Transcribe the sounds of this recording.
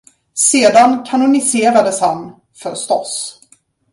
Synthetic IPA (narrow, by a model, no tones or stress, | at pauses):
seːd̪ankʰanʊnɪseːɾad̪əshan | fœɾst̪ɔ̰s